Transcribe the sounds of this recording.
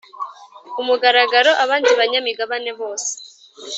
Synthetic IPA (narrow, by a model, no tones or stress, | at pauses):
umuɡaɾaɡaɾo̞ʔaβaːndiβaɲamiɡaβane̞βo̞ːse̥